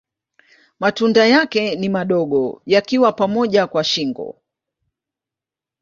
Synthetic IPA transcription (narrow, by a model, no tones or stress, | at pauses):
matundajakɛnimaɗɔɠɔ̰jakiwapamɔʄakwaʃiŋɡɔ̰